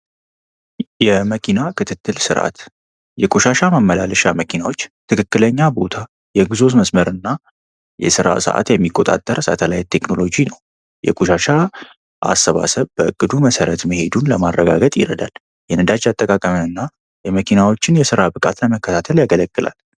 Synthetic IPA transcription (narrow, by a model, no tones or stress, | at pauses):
jɛməkʰinakʰɨt̪ʰɨt̪ːɨlsɨɾʔa̰t̪ | jɛkʼuʃaʃamamːəlalʃaməkʰinawo̞t͡ʃːt̪ʰɨkʰɨkːɨləɲːabo̞t̪ʰa | jɛɡɨzo̞s̬məsməɾɨnːa | jɛ̰sɨɾa̰sə̰ʔa̰t̪jɛmːikʼːo̞t̪ʼa̰t̪ʼːəɾsa̰t̪ʰəlajt̪ʰːekno̞lo̞d͡ʒinəw | jɛ̰kʼuʃaʃa | ʔa̰sːəβa̰səβbəɨkʼːɨd̪uməsəɾət̪məhe̞d̪unləmarːəɡaɡət̪ʼjɪɾəd̪al | jɛnɨd̪ad͡ʒat̪ʼːəkʼakʼəməɨnːa | jɛməkʰinawo̞t͡ʃːɪnjɛsɨɾabɨkʼat̪ləməkːət̪ʰat̪ʰəljaɡələɡʼːɨlʔa̰l